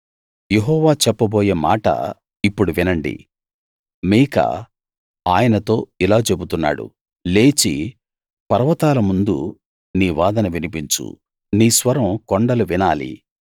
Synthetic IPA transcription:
jeɦɔːʋaːt͡ʃɛpːɐboːjeːma̰ːʈɐ̰ | ipːuɽuʋinɐɳɖḭ | miːkɐ̰ | aːjɐnɐt̪o̞ːilaːt͡ʃe̞but̪unːa̰ːɽṵ | le̞ːt͡ʃi | pɐɾɐʋɐt̪aːlɐmund̪u | niːʋaːd̪ɐnɐʋinipiɲt͡ʃṵ | niːsʋɐɾɐmkoɳɖɐluʋinaːlḭ

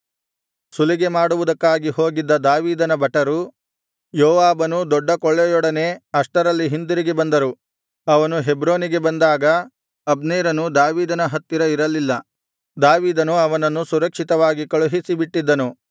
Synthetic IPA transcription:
suliɡe̞maːɽuʋud̪ɐkːaːɡiho̞ːɡid̪ːɐd̪aːʋiːd̪ɐnɐbʱɐʈɐɾu | jɔːʋaːbɐnud̪ɔɖːɐkɔɭːɛjɔɽɐne̞ːɐʂʈɐɾɐlːiɦind̪uɾiɡe̞bɐnd̪ɐɾu | ɐʋɐnuɦe̞bɾo̞ːniɡe̞bɐnd̪aːɡɐ | ɐbneːɾɐnud̪aːʋiːd̪ɐnɐɦɐt̪ːiɾɐiɾɐlilːɐ | d̪aːʋiːd̪ɐnuɐʋɐnɐnːusuɾɐkʂit̪ɐʋaːɡikɐɭuɦisibiʈːid̪ːɐnu

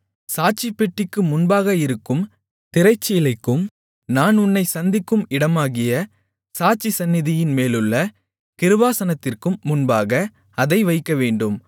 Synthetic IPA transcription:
saːt͡ʃɪpːɛʈːɪkːɯmʊnbaːɣɐɪɾɯkːɯm | t̪ɪɾɐɪt͡ʃːɪjɪlɐɪkːɯm | naːnʊnːɐɪsɐnd̪ɪkːɯmɪɽɐmaːɣɪjɐ | saːt͡ʃːisɐnːɪðɪjɪnmeːlɯɭːɐ | kɪɾɯʋaːsɐnɐt̪ːɪrkɯmːʊnbaːɣɐ | ɐðɐɪʋɐɪkːɐʋeːɳɖɯm

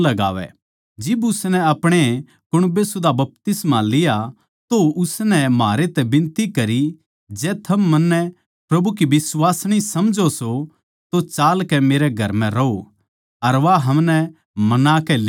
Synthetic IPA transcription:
lɐɡa̰ːʋɛ̰ | d͡ʒɪbʊsnɛɐpɽ̃e | kʊɽ̃besʊd̪ʱabɐp̚t̪ɪsmalɪja | t̪oʊsnɛmaːɾet̪ɛbɪ̃nt̪ikɐɾi | d͡ʒɛːt̪ʰɐmːɐnːɛ | pɾɐbukiʋɪswaːsɽ̃isɐmd͡ʒoso | t̪ot͡ʃaːlkɛmeːɾɛɡʱɐɾmɛ̃ɾɐɦo | ɐɾʋaɦɐmnɛ | mɐnakɛl

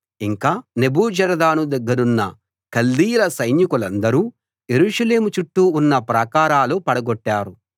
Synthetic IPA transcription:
iŋkaːnebuːd͡ʒɐɾɐd̪aːnud̪ɐɡːɐɾunːɐ̰ | kɐlːiːjulɐsɐjnjukulɐnd̪ɐɾuː | je̞ɾuːʂɐle̞ːmut͡ʃuʈːuːnːɐpɾɐːkaːɾaːlupɐɽɐɡɔʈːaːɾu

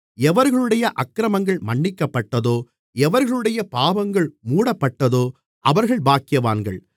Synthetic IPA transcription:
ɛʋɐɾɣɐɭɯɽɐjɐʔɐkːɪɾɐmɐŋɡɐɭmɐɳːɪkːɐpːɐʈːɐðoː | ɛʋɐɾɣɐɭɯɽɐjɐpaːʋɐŋɡɐɭmuːɽɐpːɐʈːɐðoː | ʔɐʋɐɾɣɐɭbaːkɪjɐʋa̰ːnɡɐ̰ɭ

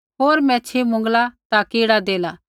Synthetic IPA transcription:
ɦoːɾmɛ̃ːt͡ʃʰimʊ̃ŋɡlat̪akiːɽad̪eːla

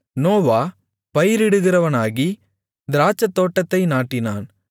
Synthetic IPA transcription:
noːʋaː | pɐjɪɾɪɽɯɣɪrɐʋɐnaːɣi | d̪ɪɾaːt͡ʃːɐt̪ːoːʈːɐt̪ːɐɪnaːʈːɪnaːn

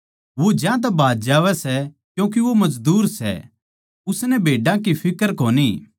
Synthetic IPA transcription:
ʋod͡ʒjãt̪̬ɛbʱaːd̪d͡ʒaːʋɛsɛ | kjũːk̬iʋomɐd͡ʒd̪uːɾsɛ̰ | ʊsnɛbʱeːɖãkipʰɪkəɾkoːni

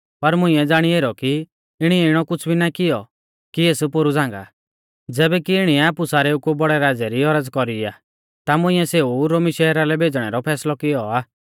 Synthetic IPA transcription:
pɐɾmʊ̃ĩɛd͡zaːɽ̃ieːɾɔki | ɪɽ̃iɛɪɽ̃ɔkʊt͡ʃʰbʱinakɪjɔ | kieːspoɾud͡zãːŋɡa̰ | d͡zɛːbɛkiɪɽ̃iɛaːpusaːɾɛukubɔɽɛɾaːd͡zɛɾiɔɾəd͡zkɔɾia̰ː | t̪amʊ̃ɪ̃ɛseːuɾoːmiʃɛɦɛɾalɛbʱeːd͡zɽ̃ɛɾɔpʰɛːslɔkɪjɔaː

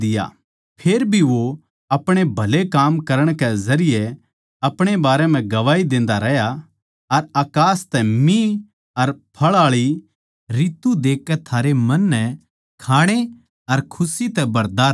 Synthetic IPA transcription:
d̪ɪja̰ | pʰeːɾbʱiʋo | ɐpɽ̃ebʱɐlekaːmkɐɾəɽ̃kɛzɐɾɪje | ɐpɽ̃ebaːɾɛm̤ɛ̃ɡɐʋaːid̪ẽːnd̪aɾɛɦja | ɐɾaːkaːst̪ɛmĩ | ɐɾpʰɐɭaːɭi | ɾiːt̪ːud̪eːkːɛt̪ʰaːɾemɐnːɛ̃ | kʰaːɽ̃e | ɐɾkʰʊsit̪ɛbɐɾd̪aː

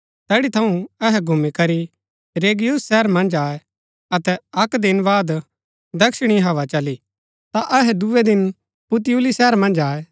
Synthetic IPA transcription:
t̪ɛːɽit̪ʰɐũɐɦɛɡʱumikɐɾi | ɾeːɡɪjʊsːɛːɾmɐ̃nd͡ʒaːe | ɐt̪ɛɐkd̪ɪnbaːd̪ | d̪ɐkʃɽ̃iɦɐʋat͡ʃɐli | t̪aʔɐɦɛd̪ued̪ɪn | pʊt̪̬juːlisɛːɾmɐ̃nd͡ʒaːe

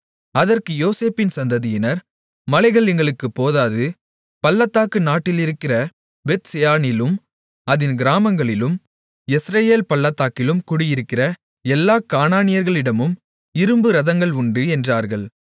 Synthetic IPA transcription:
ɐðɐrkɯjoːseːpɪnsɐnd̪ɐðɪjɪnɐɾ | mɐlɐɪɣɐɭɛŋɡɐɭɯkːɯpːoːðaːðɯ | pɐlːɐt̪ːaːkɯnaːʈːɪlɪɾɯkːɪrɐ | bɛt̪sɛjaːnɪlɯm | ɐðɪnɡɪɾaːmɐŋɡɐɭɪlɯm | ɛsɾɐjeːlpɐlːɐt̪ːaːkːɪlɯmkʊɽɪjɪɾɯkːɪrɐ | ɛlːaːkaːnaːnɪjɐɾɣɐɭɪɽɐmɯm | ɪɾɯmbɯɾɐðɐŋɡɐɭʊɳɖɯɛndraːɾɣɐɭ

